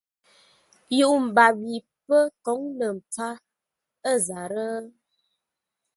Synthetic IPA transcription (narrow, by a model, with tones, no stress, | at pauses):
ju˦ʔm̩˨ba˨bi˨ | pə˦kɔ˨˦ŋlə˨m̩˨p͡fa˦ | ə˦˨za˨ɾə˦